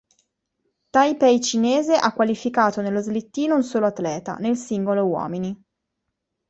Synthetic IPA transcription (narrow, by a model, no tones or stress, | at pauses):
t̪ajpɛjt͡ʃineːzeʔakːwalifikaːt̪onelːozlit̪ːiːnounsoːloat̪ːlɛːt̪a̰nelsiŋɡolowɔ̰ːmini